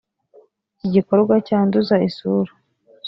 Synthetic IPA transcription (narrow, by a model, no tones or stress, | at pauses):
iɟiko̞ɾɡwacaːnduzaisuɾu